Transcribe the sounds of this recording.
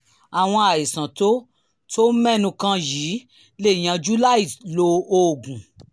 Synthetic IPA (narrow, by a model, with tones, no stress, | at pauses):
a˨w̃ɔ̃˧a˨i˨sã˨to˦ | to˦mɛ̃˦˨nũ˧kã˧jiː˨˦ | le˦˨j̃ã˨˧d͡ʒu˦la˦i˦˨lo˧o˧˦˨ɡũ˨